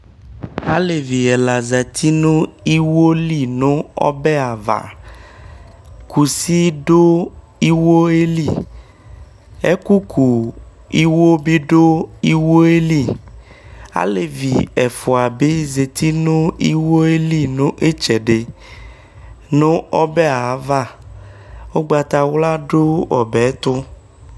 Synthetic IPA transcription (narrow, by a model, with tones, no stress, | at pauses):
a˦le˨vi˨ɛ˨la˨za˨t̪ʰi˦nõ˦i˦wo˦li˦nõ˦ɔ̰˦be˦a˨va̰˨ | ku˨si˦ɖo˦ | i˦wo˦e˦li˦ | e˦ku˦kʰu˨ | i˦wo˦bi˦ɖo˦i˦wo˦e˦li˦˨ | a̰˦le˨vi˨ɛ̰˨fʊ˨a˨be˦ze˨t̪ʰi˦nʊ̃˦i˦wo˦e˦li˦nʊ̃˦ʔe˦t͡ʃɛ˨ɖe˨ | nʊ̃˦ɔ˦be˦a˨˦va˦˨ | wo˦ɡ͡ba˨t̪a˨wla˦ɖo˦ɔ˨bɛ˨˦t̪ʊ˦